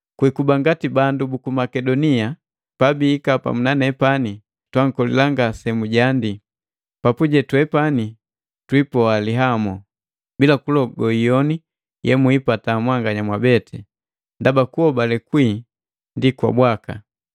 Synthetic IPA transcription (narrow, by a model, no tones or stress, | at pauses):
kwikubaŋɡatibandubukumakɛdɔnia | pabiːkapa̰munanɛpani | twaŋ̩kɔlḭlaŋɡasɛmuɟandi | papuɟɛtwɛpani | twipɔaliɦamɔ | bilakulɔɡɔijɔni | jɛmuipatamwaŋɡaɲamwabɛtʰɛ | ndabakuɔbalɛkwiː | ndikwa̰bwaka